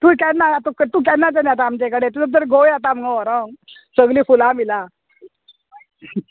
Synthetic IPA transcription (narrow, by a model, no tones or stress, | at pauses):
t̪ukɛnaat̪ukət̪ukɛnːat͡ɕanjat̪aːmt͡ɕekəɽet̪ut̪əd̪əɾɡʱojat̪aməŋaʋɔɾəsəɡliːfulãmila